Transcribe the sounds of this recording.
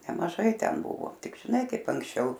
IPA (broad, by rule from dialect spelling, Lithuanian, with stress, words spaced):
nʲɛmɐˈʒɐɪ ˈtʲɛn ˈbʊʋoː ˈtʲɪk ʒʲɪˈnɐɪ ˈkɐɪp ɐŋksʲˈt͡ʃʲɛʊ